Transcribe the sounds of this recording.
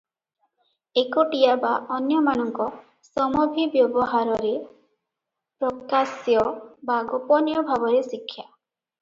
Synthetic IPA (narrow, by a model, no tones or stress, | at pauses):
ekoʈijabaʔɔnjɔmañɔŋkɔ | sɔmɔbʱibjɔbɔɦaɾɔɾe | pɾɔkasjɔbaɡɔpɔnjɔbʱabɔɾesikʰːja